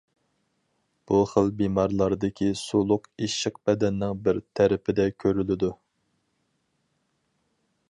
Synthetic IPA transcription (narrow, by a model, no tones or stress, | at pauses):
b̥uχəlˠbimɑɾlˠɑɾd̪ɪkʲʰisulˠʊqiʃəq̚bɛd̪ɛnːɪŋbɪɾt̪ʰæɾɪpʰɪd̪ɛkʲʰøɾylɪd̪u